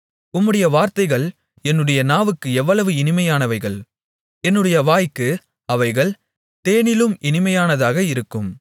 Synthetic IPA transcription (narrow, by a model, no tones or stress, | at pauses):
ʊmːɯɽɐjɐʋaːɾt̪ɐɪɣɐɭ | ɛnːɯɽɐjɐnaːʋɯkːɯɛʋːɐɭɐʋɯɪnɪmɐjaːnɐʋɐɪɣɐɭ | ɛnːɯɽɐjɐʋaːjkːɯ | ɐʋɐɪɣɐɭ | t̪eːnɪlɯmʔɪnɪmɐjaːnɐðaːɣɐɪɾɯkːɯm